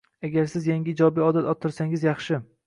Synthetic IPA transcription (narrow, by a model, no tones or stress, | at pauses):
aɡʲaɾsɪzjaŋʲɪːd͡ʒɒbiɒd̪at̪ɒt̪ʰːɪɾsaŋɪzjɑχʃɪ